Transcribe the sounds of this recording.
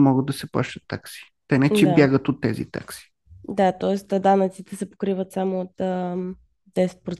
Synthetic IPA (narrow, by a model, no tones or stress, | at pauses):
mɔɡəd̪ɐsɛpa̰ʃt̪ət̪ːa̰ksi̥ | t̪ɛnɛt͡ʃɛabjaɡət̪ot̪ːɛ̰zḭt̪a̰ksi̥ | d̪at̪ɔɛst̪d̪anət̪sit̪ɛsɛpo̥kɾivət̪samʊːt̪ə | d̪ɛsɛt̪̚pɾo